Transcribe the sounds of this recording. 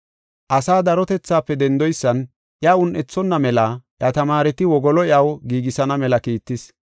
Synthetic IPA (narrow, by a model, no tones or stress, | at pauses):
ʔɐsaːd̪ɐɾɔt̪ɛt͡sːaːpːɛd̪ɛnd̪ɔjsːɐn | ʔjɐʊnʔɛt͡sːɔnːɐmɛlɐʔjɐt̪ɐmaːɾɛt̪ɪwɔɡɔlɔɪʔɐwɡiːɡɪsɐnɐmɛlɐkiːt̪ːɪs